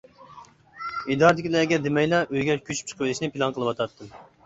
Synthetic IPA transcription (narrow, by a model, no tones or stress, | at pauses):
id̪ɑɾɨd̪ɪkʲilɛɡʲɛd̪ɪmɛjlˠɑʔøjɡʲɛɾkʲʰyt͡ʃʰy̥p̚t͡ʃʰə̥qʰwɪlˠɪʃnɪpʰilˠɑnqʰəlˠɨwɑt̪ʰɑt̪ʰːɨm